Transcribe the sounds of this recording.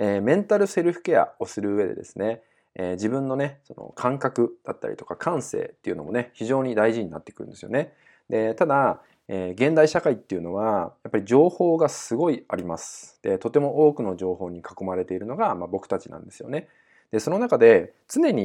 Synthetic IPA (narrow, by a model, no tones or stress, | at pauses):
eːmẽ̞nt̪aɾɯ̟se̞ɾɯ̟ɸɯ̟̥ke̞a̰o̞sɨɾɯ̟ːe̞d̪e̞̰d̪e̞̰sɨne̞ː | d͡ʑibɯ̟̃nːo̞ne̞so̞no̞̰kʰãŋkakɯ̟d̪̥at̪ːa̰ɾʲḭt̪o̞̥kakʰãɰ̃se̞̰ːt̪ːe̞iɯ̟no̞mo̞ne̞çiʑo̞ːɲ̟id̪aiʑiɲ̟inat̪ːe̞kɯ̟ɾɯ̟̰̃nd̪e̞sɨjone̞ | d̪e̞t̪ad̪a | eːɡẽ̞nd̪aiɕakait̪ːe̞iɯ̟no̞β̞ajapːaɾʲid͡ʑo̞ːho̞ːɡasɨɡo̞iaɾʲimasɨ̥d̪̥e̞t̪o̞t̪e̞mo̞ʔo̞ːkɯ̟no̞ʑo̞ːɦo̞ːɲ̟ikako̞maɾe̞t̪e̞iɾɯ̟no̞ɡamabo̞kɯ̟̥t̪at͡ɕinã̰nd̪e̞sɨjo̞̰ne̞ | d̪̥e̞so̞no̞nakad̪e̞t͡sɨne̞ɲ̟i